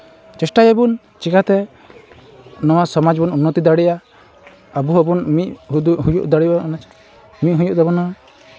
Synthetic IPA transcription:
t͡ʃɛsʈajebun | t͡ʃikat̪ɛ | nɔwasɔmad͡ʒbɔnunːɔt̪id̪aɽiʔaː | buɦɔbunmiʔɦud̪uɦujuʔd̪aɽianat͡ʃʰ | miʔɦujuʔd̪ɛbɔna

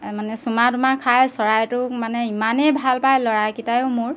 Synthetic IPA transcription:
manɛsumatumakʰajsɔɹajtʊmanɛimanejbʱalpajlɔɹajkitajʊmʊɹ

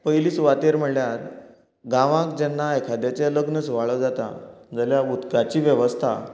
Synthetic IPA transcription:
pəjliːsʋat̪eɾm̤əɭljat̪ | ɡãʋãkd͡ʑɛnːaekʰad̪jat͡seləɡnət͡sʋaɭəd͡zat̪a̰d͡zəljaut̪kat͡ɕiːʋjəʋəst̪ʰa

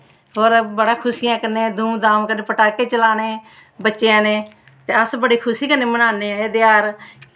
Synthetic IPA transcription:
ɦoːɾbəɽaːkʰʊsijãːkənːeːd̪ʱuːmd̪ãːmkəneːpəʈaːkeːt͡ʃəlaːneː | bətːʃeãːnẽː | t̪eːəsbəɽiːkʰʊsiːkəneːmənaːneːeːd̪ɪjaːɾ

